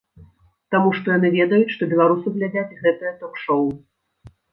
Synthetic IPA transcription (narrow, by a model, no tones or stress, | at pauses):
t̪amuʂt̪ɔjanɨvʲɛd̪ɐjut͡sʲʂt̪ɔbʲɛlˠaɾusɨɣlʲad͡zʲat͡sʲɣɛt̪ɨjɐt̪ɔkʂɔw